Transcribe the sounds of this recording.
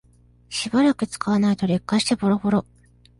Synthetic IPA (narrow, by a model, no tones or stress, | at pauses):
ɕibaɾakɯ̟t͡sɨ̥kaβanait̪o̞ɾe̞kːaɕi̥t̪ebo̞ɾo̞bo̞ɾo̞